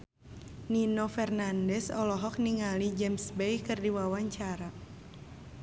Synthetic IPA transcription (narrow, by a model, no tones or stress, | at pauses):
ninɔfɛrnandɛsɔlɔɦɔk̚niŋalid͡ʒɛmsbɛjkɨrdiwawaɲt͡ʃaɾa